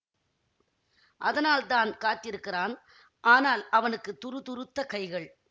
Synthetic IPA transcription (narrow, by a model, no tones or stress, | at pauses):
ʔɐðɐnaːlt̪aːnkaːt̪ɪɾɯkːɪraːn | ʔaːnaːlɐʋɐnɯkːɯt̪ʊɾɯt̪ʊɾɯt̪ːɐkɐɪɣɐɭ